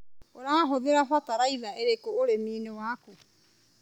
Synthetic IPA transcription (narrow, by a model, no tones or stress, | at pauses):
oɾaːɦoðeɾafataɾaiðaeɾekooɾemiːnewaku